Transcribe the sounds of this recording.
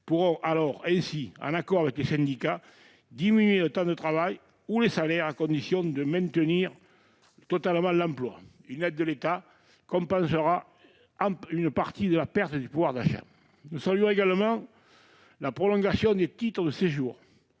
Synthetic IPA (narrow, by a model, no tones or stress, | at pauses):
puʁɔ̃ʔalɔʁɛ̃siɑ̰̃nakɔʁavɛklesɛ̃nd̪ika | d̪iminɥelət̪ɑ̃d̪ət̪χavaj | ulesalɛʁakɔ̃nd̪isjɔ̃d̪əmɛ̃nt̪əniʁ | t̪ɔt̪aləmɑ̃lɑ̃mplwa̰ | ynɛd̪̚ːəlet̪a | kɔ̃mpɑ̃səʁa | ɑ̃ynəpaʁt̪id̪əlapɛʁt̪əd̪ypuvwaʁd̪aʃa̰ | nusalyɔ̃eɡaləmɑ̃ | lapχɔlɔ̃ŋɡasjɔ̃d̪et̪it̪χəd̪əseʒuːʁ